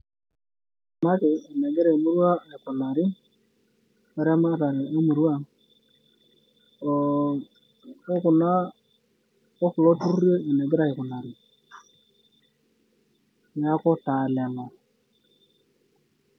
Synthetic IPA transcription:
ma˦kɪː˨nɛ˨ɡe˦ɾe˨mu˦ɾwa˦˨ɪ˨kʊ˨na˨ɾɪ˦ | ɛ˨ɾɛ˦ma˦ɾa˨ɾe˨e˦mu˨ɾu˦a˦˨˦ | kʊ˨na˦ | o˦kʊ˨lɔ˦tu˦je˦e˨nɛ˨ɡɪ˦ɾa˨ɪ˨kʊ˨na˨ɾɪ˨ | ɲa˦kɔ˦ta˨lɛ˨nɔ˨

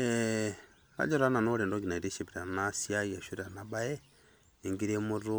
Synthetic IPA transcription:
ɛ | ɾa̰˦d͡ʒɔ˦ɾa˦na˨nɔ˦ɾɛ˨ndɔ˦ɡi˨na˨i˨ɾe˦ʃɛ˨piɾa˨na˦si˦a˦ia˨ʃu˦ɾi˨a˨na˨ba˦ɛ˦ | i˨ŋɡi˦ɾɛ˦mu˦ɾu˦

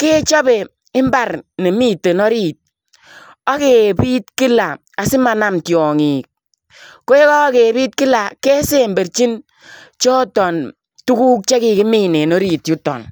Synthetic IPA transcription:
ke˦t͡ʃa˦be˨ | ɪ˦mba˨ɾne˨mi˦te˨nɔ˦ɾi˨t̚ | a˦ke˨pi˦tki˦la˨ | a˨sɪ˦ma˨na˦mtjɔ˨ŋi˨k̚ | ko˦e˦kɔ˦ke˨bi˦t̚kɪ˦la˨ke˦se˦˨mbe˨ɾt͡ʃi˦n | t͡ʃɔ˦tɔ˨n | tu˦ku˦k̚t͡ʃe˦ki˨kɪ˦mi˦ne˨no˦ɾi˨tju˦tɔ̰˨n

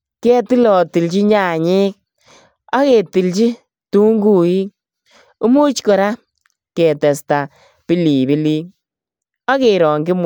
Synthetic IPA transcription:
ke˦ti˦lɔ˨ti˨lt͡ʃi˦ɲa˨ɲɪ˦k̚ | a˦ke˨ti˨lt͡ʃi˦ | tu˦ŋɡu˦˨i˦k̚ | ʊ˦mu˦t͡ʃkɔ˨ɾa˦ | keɛ˨tɛ˨sta˨ | pi˦liː˨bi˦liː˦ | a˦ke˨ɾɔ˨ŋɡɪ˦m

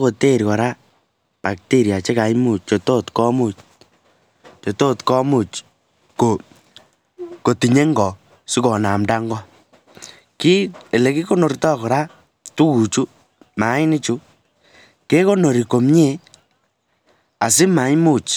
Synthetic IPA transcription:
ko˨te˦˨ɾkɔ˨ɾa˦ | pa˨k̚te˦ɾja˨t͡ʃe˦ka˨jmu˨t͡ʃt͡ʃo˨to˦tkɔ˦mu˦˨t͡ʃ | t͡ʃo˨to˦tkɔ˦mu˦˨t͡ʃ | ko˨ | ko˨ti˨ɲe˦ŋɡɔ˨ | su˦kɔ˨na˨mda˦ŋɡɔ˦ | ki˦e˨le˨ki˦ko˦no˨rtɔ˦kɔ˨ɾa˦ | tu˦ku˨t͡ʃu˦ | ma˨˦ɪ˦ni˦t͡ʃu˦ | ke˦ko˦no˨ɾi˨ko˨mɲe˦ | a˨s̬ɪ˦ma˨˦ɲmu˦˨t͡ʃ

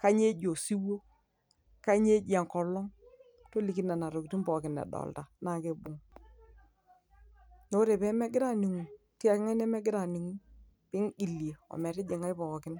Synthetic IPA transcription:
ka˦ɲe˦d͡ʒo˨si˦wo˦ | ka˦ɲe˦d͡ʒa˨ŋkɔ˨lɔ˦ŋ | to˦li˨ki˦na˨na˨ɾo˨kti˦nbɔ˨kɪ˨nɛ̰˨dɔ̰˨lta˨na˨ke˦bʊ˨ŋ | no˦ɾe˨bɛ˦mɛ˦ɡɪ˦ɾa˦˨ni˨ŋu˨ti˦a˨kɪ˦ŋa˦nɛ˦mɛ˦ɡɪ˦ɾa˨ni˨ŋu˦ | pɪ˦ŋi˨lje˨ɔ̰˨mɛ˨tɛ˦d͡ʒe˨ŋa˦jpɔ˨kɪ˦n

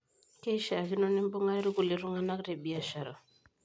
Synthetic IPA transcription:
ke˦ʃa˨ki˦no˦ni˦m˦bo˦ŋa˦i˦ɾi˦ku˨li˨ɾu˦ŋa˦na˦kɾe˨bi˨a˨ʃa˨ɾɔ̰˨

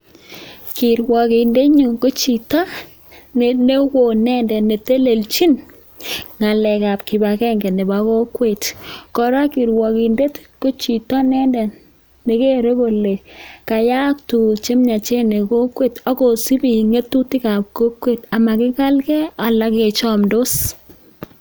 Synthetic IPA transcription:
ki˨ɾwɔ˨ki˨nde˦ɲu˨ŋko˦t͡ʃi˨ta˦ | ne˨ne˦wo˨nɛ˦ndɛ˨ne˨te˦le˨lt͡ʃi˦n | ŋa˨lɛ˨ka˨pki˨ba˨kɛ˦ŋɡɛ˨ne˨ba˨ko˦kwe˦˨tkɔ˨ɾa˦ki˨ɾwɔ˨ki˨nde˦tko˦t͡ʃi˨tɔ˦nɛ˦ndɛ˨nː | e˨ke˦ɾe˦ko˨le˨ka˨ja˦k̚tu˨t͡ʃe˦mɲa˨t͡ʃe˦ne˨ko˦kwe˦˨tɔ˦ko˨si˦bi˨ŋe˦tu˦ti˦ka˨p̚ko˦kwe˦˨ta˨ma˨kɪ˦ka˦lkɛ˦a˨la˦ke˨t͡ʃɔ˦mdo˦s

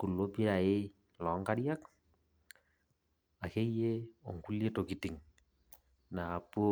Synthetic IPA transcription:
ku˨lːo˦pi˦ɾa˨ɪ˦ | lɔ˨˦ŋka˦ɾja˦k | a˨ke˦je˦ɔ̰˨ŋku˦lje˦to˨ki˨ti˨ŋ | na˨po˦

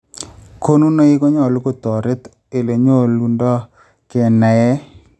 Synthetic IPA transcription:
kʰo˦nu˦no˦i˦ko˦ɲɔ˦˨lu˦ko˦t̪ɔ˨ɾɪ˦t̪ | e˨le˨ɲo˦lu˨ndɔ˦ | kɛ˨na˨ɛ˦

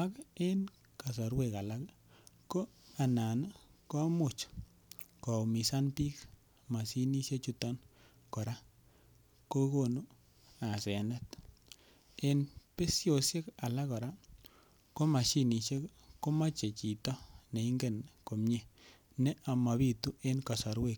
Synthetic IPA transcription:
a˦ke˦n | ka˨s̬ɔ˨ɾwe˦˨ka˨la˦k | ko˦a˨na˨na˦kɔ˦mʊ˨t͡ʃ | kɔ˨mi˨sa˦npi˦k | ma˨si˦ni˦ʃe˦t͡ʃu˦tɔ˦n | kɔ˨ɾa˦ | ko˦ko˦˨nu˦ | a˨se˨nɛ˦t̪ | e˨npe˦sjo˨sje˦ka˨la˦kɔ˨ɾa˦ | ko˦ma˨ʃi˦ni˨ʃe˦k | ko˦ma˦t͡ʃe˨t͡ʃi˨t̪ɔ˦ne˨i˦ŋɡe˦˨nko˨mɲe˨ | nɛ˦ʔa˨ma˨bi˦˧t̪u˦e˦nka˨sɔ˨ɾwe˨k̚

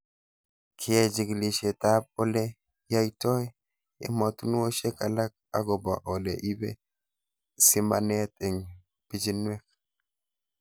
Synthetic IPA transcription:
kʰɪ˦ɛ˦˨d͡ʒi˨ɡli˨ʃe˨ta˦p̚o˦lɛ˦ | ja˦jtɔ˦j | ɛ̰˦mɔ˨t̪u˦nu˦wo˦ʃe˦ka˨la˦k̚ | a̰˦ɡɔ˨bɔ˨ʔɔ˨lḛ˨ʔi˦bḛ˦ | sɪ˦ma̰˨nɛ˦t̪ɛ˨ŋ | pi˦d͡ʒi˦nwɛ˦k̚

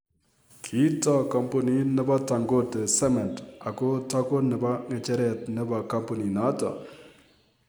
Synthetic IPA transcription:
kʰi˦tɔ˦kɔ˨mpo˨ni˦nɪ˦ba˦ta˨ŋɡo˦te˨sɛ˦mɛ˨nta˨ko˦tɔ˦ko˦nɪ˨ba˦ŋe˨t͡ʃɛ˦ɾɛ˨tne˦ba˨ka˦mpɔ˨ni˨na˨˦tɔ̰˨

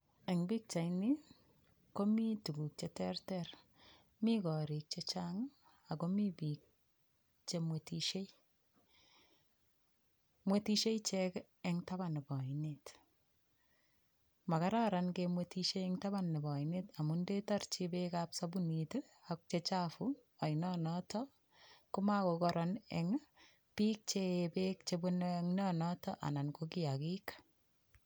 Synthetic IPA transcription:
ɛ˨ŋbi˦k̚t͡ʃa˨jnɪ˦ | ko˦mi˦tu˨ɡu˨k̚t͡ʃɛtɛrtɛɾ | mikɔ˨ɾi˨k̚t͡ʃet͡ʃaŋ | a˨komi˦bik̚ | t͡ʃemwetiʃe˦ | mwe˦tiʃe˦jt͡ʃɛk | ɛŋta˦ba˨nɪ˨bɔ˨inet | ma˨ka˦ɾa˦ɾa˨nkemwetiʃe˦ɛŋta˦ba˦nːɪ˨bɔ˨ɪneta˨munde˦ta˦rt͡ʃibekapsa˦bu˦nit | a˨k̚t͡ʃe˦t͡ʃafu˦a˨jnɔnɔtɔ | kʊ˦ma˦kokɔɾɔnɛ̰ŋ | pi˦k̚t͡ʃebek̚t͡ʃebunŋnɔnɔ˦tɔ˦ʔa̰˨na˨nkoki˦a˨ki˦kḁ

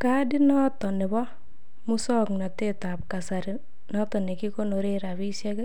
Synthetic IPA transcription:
ka˦di˦nɔ˦tɔ˨nɪ˨bɔ˦ | mu˦sɔkna˨te˦ta˨p̚ka˨sa˨ɾɪ | nɔ˦tɔ˨ne˨ki˦ko˦no˨ɾeɾaβi˦sjɛ˦kɛ˦

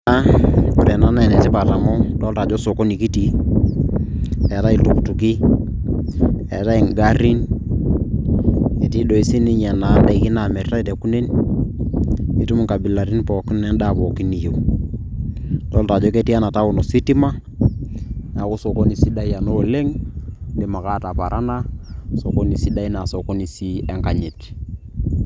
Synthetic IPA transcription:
a˦ʊ˨ɾɛ˨na˨˦na˦ɛ˨nɛ˨ti˦pa˨ta˨mɔ˦dɔ˦lta˨d͡ʒɔ˦so˨ko˦ni˨ki˦ti˨ | ɛ˨ta˦i˨lu˨ktu˨ki˦ | ɛ̰˨ta˦i˨ŋɡa˦ɾi˦n | e˨ti˦ɗo˨i˨˦si˦ni˦ɲɛ˨na˨˦la˨ki˦na˨mɛ˨rta˦i˨te˨ku˦ne˦n | i˦tu˦m˨ŋka˨bi˨la˨ɾi˦npɔː˨ki˦n˦nɛ˦nɗa˦˨pɔ˨ki˦ni˨jo˨ | tɔ˦lta˨d͡ʒo˦ke˦ti˦a˦na˨ta˦u˨no˨si˦ti˦ma˦ | na˨ku˦so˨ko˦ni˨si˦da˦ja˨no˦le˦ŋdi˨ma˨ka˦ta˨pa˨ɾʔa˦na˦so˨ko˦ni˨si˦da˦i˦na˨sɔ˨ko˦ni˨si˦ɛ˦ŋka˨ɲe˨t

